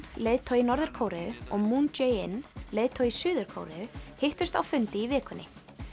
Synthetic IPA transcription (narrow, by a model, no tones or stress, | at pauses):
leːðt̪ʰɔwinɔɾðɛɾ̥kʰoːwɾɛʏɔɣmund͡ʒejɪnleːjðt̪ʰɔɥisʏːðʏɾ̥kʰo̰ːwɾɛʏhejht̪ʏ̥st̪awfʏnt̪ɪivɪːkʏnːɪ